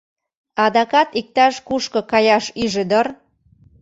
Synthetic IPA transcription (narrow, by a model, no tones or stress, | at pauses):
ɑd̪ɑkɑt̪ik̚t̪ɑʃkuʃkɤ̆kɑjɑʃyʒĕd̪ər